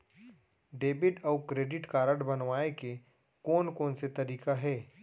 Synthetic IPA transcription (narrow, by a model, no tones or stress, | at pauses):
ɖeːbɪʈɔːkɾeːɖɪʈkaːɾəɖbɐnʋaːeke | koːnkoːnset̪ɐɾiːkaɦɛː